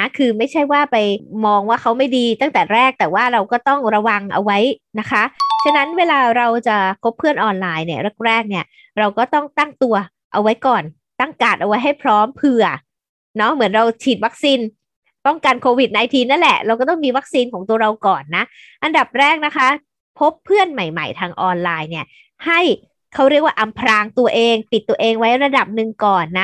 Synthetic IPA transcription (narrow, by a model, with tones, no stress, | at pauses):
a˦˥kʰɯː˧ma˥˩jt͡ɕʰa˥˩jwaː˥˩pa˧jmɔː˧ŋwaː˥˩kʰa˦˥wma˥˩jdiː˧t̪a˥˩ŋt̪ɛː˨˩ɾɛː˥˩k̚t̪ɛː˨˩waː˥˩ɾa˧wkɔː˥˩t̪ɔ˥˩ŋɾa˧wa˧ŋʔa̰˧wa˦˥jna˦˥kʰa˦˥t͡ɕʰa˧˥na˦˥nweː˧laː˧ɾa˧wt͡ɕa˨˩kʰo˦˥pʰːɯ˥˩ənʔɔː˧nlaː˧jni˥˩ɐɾɯ˥˩k̚ɾɛː˥˩k̚ni˥˩ɐ | ɾa˧wkɔː˥˩t̪ɔ˥˩ŋt̪a˥˩ŋt̪u˧ɐ | ʔa˧wa˦˥jkɔː˨˩n | t̪a˥˩ŋkaː˨˩t̪̚ʔa˧wa˦˥jɦa˥˩jpʰɾɔː˦˥mpʰɯ˧˩ɐ | nɔ˦˥mɯ˨˩˦nɾa˧wt͡ɕʰiː˨˩t̪̚wa˦˥k̚siː˧n | t̪ɔ˥˩ŋka˧nkʰoː˧wi˨˩t̪̚n˧ʔaː˧jt̪ʰiː˧na˦˥nlɛ˨˩ʔɾa˧wkɔː˥˩t̪ɔ˥˩ŋmiː˧wa˦˥k̚siː˧nkʰɔː˨˩˦ŋt̪u˧ɐɾa˧wkɔː˨˩nːa˦˥ʔ | ʔa˧nda˨˩p̚ɾɛː˥˩k̚na˦˥kʰa˦˥ | pʰo˦˥pʰːɯ˥˩ənma˨˩jma̰˨˩jt̪ʰaː˧ŋʔɔː˧nlaː˧jni˥˩ɐ | ha˥˩j | kʰa˦˥wɾi˥˩ək̚waː˥˩ʔa˧mpʰɾaː˧ŋt̪u˧ɐʔeː˧ŋt̪i˨˩t̪ːu˧ɐʔeː˧ŋwa˦˥jɾa˧da˨˩p̚nɯ˨˩ŋkɔː˨˩nːa˦˥